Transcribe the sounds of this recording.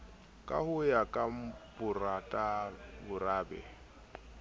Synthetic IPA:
kʼa̰hʊjakʼam̩pʼʊratʼabʊraːbɛ̰

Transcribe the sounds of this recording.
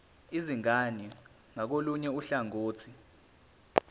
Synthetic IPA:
iziŋani | ŋak̬oluɲɛuɬaŋoːt͡sʰi

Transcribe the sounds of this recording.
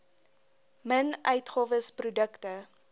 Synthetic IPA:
mənœɥtχoːvəsprudəktə

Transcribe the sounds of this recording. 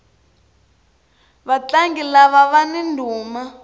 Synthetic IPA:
βat͡ɬaŋɡilaβaβanindʱuːma

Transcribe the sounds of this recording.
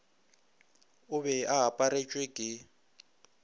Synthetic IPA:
ʊβɛaɦapʼaɾet͡ʃʼwekʼɪ

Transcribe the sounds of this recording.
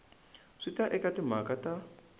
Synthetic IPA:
ʂitaʔɛkatim̤akata

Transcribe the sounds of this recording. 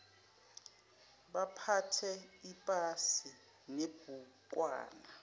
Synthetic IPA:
ɓapʰatʰɛipʼasi | neb̥ʱuk̬ʼwa̰ːna

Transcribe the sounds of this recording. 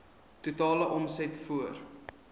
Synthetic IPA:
tutɑːləʔɔmsɛtfuər

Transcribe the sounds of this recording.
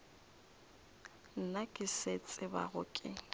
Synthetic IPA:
n̩nakʼɪset͡sʼɪba̰ɣʊ̰kʼɪ

